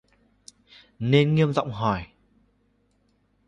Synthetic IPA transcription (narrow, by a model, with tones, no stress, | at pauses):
ne˧nŋi˧əmza̰˧˨wŋ͡mɦɔ˨˩j